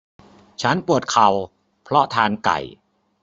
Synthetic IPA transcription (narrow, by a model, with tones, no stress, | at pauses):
t͡ɕʰa˦˥npu˨˩ət̪̚kʰa˨˩w | pʰɾɔ˦˥t̪ʰaː˧nka̰˨˩j